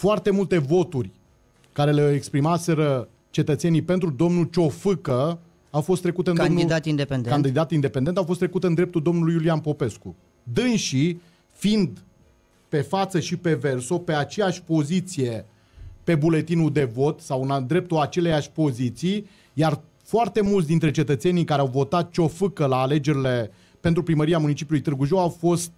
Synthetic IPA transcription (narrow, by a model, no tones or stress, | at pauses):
foart̪e̞mult̪e̞vo̞t̪urʲ | kaɾe̞leekspɾimase̞ɾə | t͡ʃe̞t̪ət̪se̞nijpe̞nt̪ɾud̪o̞mnult͡ʃo̞fɨkə | awfo̞st̪ːɾe̞kut̪eɨnaomnid̪at̪ind̪epend̪kand̪id̪at̪ind̪e̞pe̞nd̪eawfo̞s̬t̪ɾe̞kut̪eɨnd̪ɾept̪uld̪o̞mnulujulianpo̞pe̞sku | d̪ɨnʃi | find̪ | pe̞fat̪səʃipe̞ve̞rso̞pe̞at͡ʃe̞jaʃʲpo̞zit̪sije̞ | pe̞bule̞t̪inud̪e̞vo̞t̪sawɨnd̪ɾe̞p̚t̪oat͡ʃe̞lejaʃʲpo̞zit̪sij | jar | foart̪e̞mult̪sd̪int̪ɾe̞t͡ʃe̞t̪ət̪se̞nijkaɾeawvo̞t̪at̪̚t͡ʃo̞fɨkəlaːle̞d͡ʒe̞ɾile̞ | pe̞nt̪ɾupɾiməɾiamunit͡ʃipjulujt̪ɨrɡuʒo̞wawfo̞st̪̚